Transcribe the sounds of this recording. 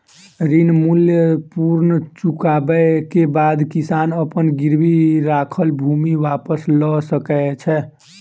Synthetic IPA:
ɾinmuljəpuɾnət͡ʃukabəkebad̪kisanəpənɡiɾbiɾakʰəlbʱumiʋapəslɔsəkɛt͡ʃʰɛ

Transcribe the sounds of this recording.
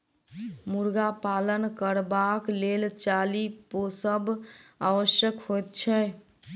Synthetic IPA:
muɾɡapalənkəɾbaklelt͡ʃaliposəbʱaʋəsjəkɦojt̪̚t͡ʃʰɛ

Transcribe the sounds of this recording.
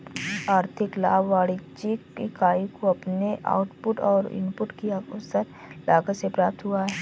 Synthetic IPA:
aːɾt̪ʰɪkla̰ːʋaːɽɪd͡ʒiikaːikoɐpneʔa̰ːʊʈpʊʈɔːɾɪ̰mpʊʈkiasəɾ | lʔaːɡəsepɾaːp̚t̪ɦʊaɦɛː

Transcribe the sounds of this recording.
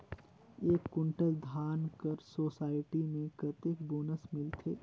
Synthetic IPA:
eːkːʊ̃ɳʈəld̪ʱaːnkəɾsoːsaːɪʈimẽkɐt̪ekboːnəsmɪlt̪ʰeː

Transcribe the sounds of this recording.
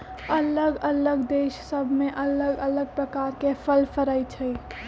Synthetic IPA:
ələɡələɡd̪eːʃsəbʱmẽʔələɡələɡ̚pɾəkaːɾkefʰəlfəɾəit͡ʃʰəi

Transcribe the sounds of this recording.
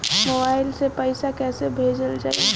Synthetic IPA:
moːbaːɪlsepəɪsakɛːsebʱeːd͡ʒəld͡ʒa̰ːie

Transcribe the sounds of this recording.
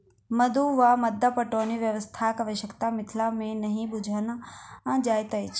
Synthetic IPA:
məd̪uʋaməd̪ːapəʈoniʋjəʋəst̪ʰakəʋəʃəkt̪amɪt̪ʰlamẽnəɦĩbud͡ʒʱanaãd͡ʒajt̪əjt͡ʃʰ

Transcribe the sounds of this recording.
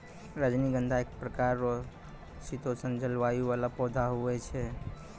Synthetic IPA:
ɾad͡ʒniɡənd̪ʱaek̚pɾəkaɾɔ | sit̪osənd͡ʒəlʋauβalapɔd̪ʱaɦuɛt͡ʃʰɛ

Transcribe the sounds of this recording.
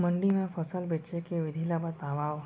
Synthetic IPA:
mə̃ɳɖimẽpʰəsəlbet͡ʃekeʋɪd̪ʱilabət̪aːʋaːʋ

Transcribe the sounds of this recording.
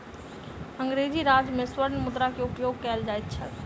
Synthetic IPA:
ə̃ŋɡɾed͡ʒiɾaːd͡ʒmẽswəɾnmʊd̪ɾakeʊpjoːɡ̚kɛːld͡ʒaːet̪̚t͡ʃʰɛ

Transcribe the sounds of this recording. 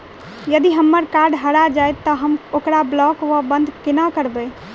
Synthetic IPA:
jəd̪iɦəmːəɾkaɾɖɦəɾad͡ʒajt̪ːɔɦəmokɾablɔkʋəbənd̪ʱkenakəɾbəj

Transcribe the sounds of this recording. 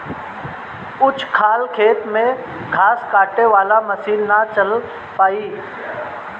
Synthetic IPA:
ʊt͡ʃʰkʰaːlkʰeːt̪mẽ | kʰaːskaːʈeʋaːlamɐsiːnnat͡ʃəl | paːiː

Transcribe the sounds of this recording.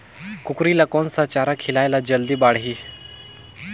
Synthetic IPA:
kukɾiːlakɔnsat͡ɕaɾakʰilajlad͡ʑəld̪iːbaɽɦiː

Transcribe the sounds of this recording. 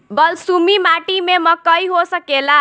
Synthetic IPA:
bʌlsumimaʈimemʌkʌjɦosʌkela

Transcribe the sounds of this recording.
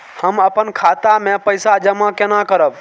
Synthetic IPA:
həməpənkʰat̪amẽpəjsad͡ʒəmakenakəɾəb

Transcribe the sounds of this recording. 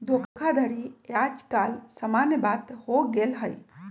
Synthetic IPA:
d̪ʱokkʰad̪ʱəɽijad͡ʒkalsəmanjəbat̪hoɡelɦəj

